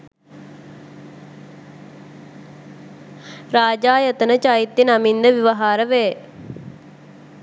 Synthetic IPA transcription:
ɾaːd͡ʒaːjət̪ənət͡ʃajit̪jenamind̪əʋiʋɐɦaːɾəʋeː

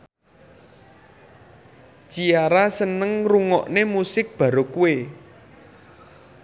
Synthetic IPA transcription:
t͡ʃiaɾasənəŋruŋɔ̰ʔnemusɪk̚b̥ä̤ɾokuwe

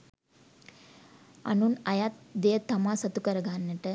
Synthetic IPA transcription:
ɐ̰nunɐjat̪̚d̪ejət̪ɐmaːsɐt̪ukɐɾɐɡaːnːɐʈə

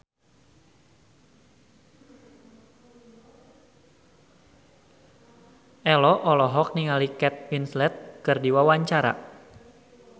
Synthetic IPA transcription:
ʔɛlɔʔɔlɔɦɔk̚niŋalikɛt̪̚winslɛt̪̚kɨrdiwawaɲt͡ʃaɾa̰

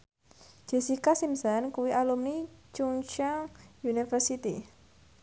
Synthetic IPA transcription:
d͡ʒ̥e̤sikasimsɔnkuwiʔalumnit͡ʃuŋt͡ʃaŋjunifərsit̪ḭ

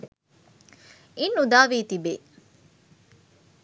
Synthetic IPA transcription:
inːud̪aːʋiːt̪ibeː

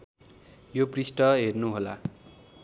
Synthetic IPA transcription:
joprisʈʌɦernuɦola̰

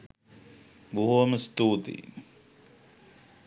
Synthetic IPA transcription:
buɦuɐməst̪uːt̪ḭ

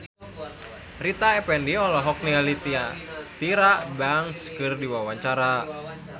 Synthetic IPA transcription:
rit̪aɛpɛndiɔlɔɦɔk̚nialit̪iat̪iɾabaŋskɨrdiwawaɲt͡ʃaɾa

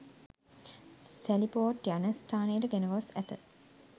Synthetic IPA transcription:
sælipoːʈjanəsʈʰaːnejːʈəɡenəʋasæt̪ə

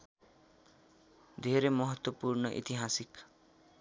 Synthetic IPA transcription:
d̪ʱeɾemʌɦʌt̪wʌpurnʌʔḭt̪iɦasik

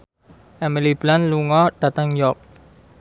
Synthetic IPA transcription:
ɛməliblãnluŋɔd̥at̪ãŋjɔk̚

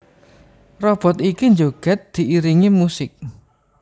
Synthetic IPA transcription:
rɔb̥ɔ̤t̪ikind͡ʒoɡ̥ɛ̤t̪̚d̪̥i̤ʔiɾiŋimusɪk̚

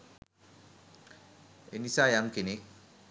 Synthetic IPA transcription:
ḛnisajamkene

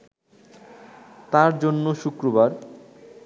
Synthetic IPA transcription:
t̪aɾd͡ʑonːoʃukɾobaɾ

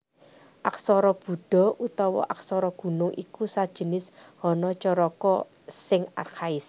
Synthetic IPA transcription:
ʔaksɔɾɔb̥ṳɖ̥ɔ̤ʔut̪ɔwɔ̰ʔak̚sɔɾɔɡ̥ṳnʊŋʔḭkusad̥ʒ̥ə̤nɪshɔnɔt͡ʃɔɾɔkɔ | sɪŋa̰rkʰaɪs

